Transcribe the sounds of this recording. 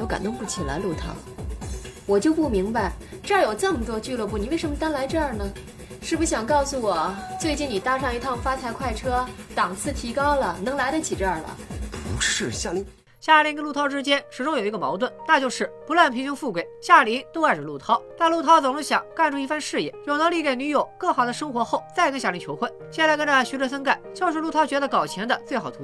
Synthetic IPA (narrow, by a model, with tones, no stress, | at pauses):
jo˥ʊka̰˨˩nt̪ʊ˥˧ŋpu˥˩t͡ɕʰi˨˩la̰˧˥ɪlu˥˩t̪ʰɑ̰˥ʊ | wɔ˨˩t͡ɕjo˥˧ʊpu˥˩mi˧˥ŋba˧ɪʈ͡ʂɤ˞˥˩˥jo˨˩ʊt͡sə˥˩mə˨˩t̪wɔ˥t͡ɕy˥˧lwp̬u˥˩ni˨˩˦we˥˩ɪʂə˧˥nmə˧t̪a˥nla˧˥ɪʈ͡ʂɤ˞˥˩nə˩ | ʂɻ̩˥˩bu˧˩ɕjɑ˨˩ŋkɑ˥˩ʊsu˧˩wɔ˨˩t͡swe˥˧ɪt͡ɕi˥˩ni˨˩t̪a˥ʂɑ˥˩ŋi˧˥t̪ʰɑ˥˩ʊfa˥t͡sʰa˧˥ɪkʰwa˥˩ɪʈ͡ʂʰɤ˥t̪ɑ˨˩ŋt͡sʰɹ̩˥˩t̪ʰi˧˥kɑ˥ʊlə˨nɤ˧˥ŋla˧˥ɪɾə˧t͡ɕʰi˨˩ʈ͡ʂɤ˞˥˩lə̰˩pu˧˥ʂɻ̩˥˧ɕja˥˩li˧˥ | ɕja˥˩li˧˥ŋkə˥lu˥˩t̪ʰɑ˥ʊʈ͡ʂɻ̩˥t͡ɕjɛ˥nʂɻ̩˨˩ʈ͡ʂʊ˥ŋjo˨˩ʊi˧˥ɡə˧mɑ̰˧˥ʊt̪wə˥˩nna˥˧t͡ɕjo˥˧ʊʂɻ̩˥˩pu˧˥lwa˥˩npʰi˧˥ŋɕʊ˥ŋfu˥˩kwe˥˩ɪɕja˥˩li˧˥ŋt̪o˥a˥˩ʈ͡ʂə˨˩lu˥˩t̪ʰɑ˥ʊna˥˧lu˥˩t̪ʰɑ˥t͡so˨˩ʊlə˧˥˩ɕjɑ̰˨˩˦ŋka˥˩˧nʈ͡ʂʰu˥˧i˧˥˩fa˥˧nʂɻ̩˥˧jɛ̰˧˩jo˨˩ʊnɤ˧˥ŋli˧˥˩ke˨˩ɪny˧˥jo˨˩ʊkɤ˥˩xɑ˨˩ʊd̪ə˦ʂɤ˥ŋxwɔ˧˥xo˥˩ʊt͡sa˥˩ɪkə˥ɕja˥˩li˧˥ŋt͡ɕʰjo˧˥ʊxwə˥˩ɕjɛ˥˧nt͡sa˥˧kə˥nʈ͡ʂə˧ɕy˧˥ʈ͡ʂɤ˧˥sə˥nka˥˩ɪt͡ɕjɑ˥˧ʊʂɻ̩˥˧lu˥˩t̪ʰɑ˥ʊt͡ɕɥɛ˧˥d̪ə˧kɑ˨˩ʊt͡ɕʰjɛ˧˥nd̪ə˧t͡swe˥˩ɪxɑ˨˩ʊt̪ʰu˧˥